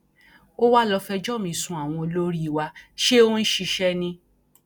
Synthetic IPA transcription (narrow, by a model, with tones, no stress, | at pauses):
o˦wa˦lɔ˧fɛ˧d͡ʒɔ˦˨mĩ˧˨sũ˨˧˦a˨w̃ɔ̃˧lo˦ɾi˦˨wa˧ʃe˦o˦n̩˦ʃi˧ʃɛ˦nĩ˧